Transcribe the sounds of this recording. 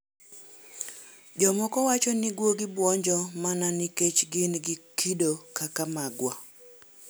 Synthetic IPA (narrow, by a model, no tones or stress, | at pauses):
d͡ʒɔmɔkɔwat͡ʃɔnɪɡwoɡɪbwɔɲd͡ʒɔmananiket͡ʃɡɪnɡɪkʰidokakamaɡwa